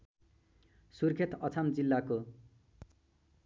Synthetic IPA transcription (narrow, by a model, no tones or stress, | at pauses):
surkʰet̪ʌt͡sʰamd͡zilːako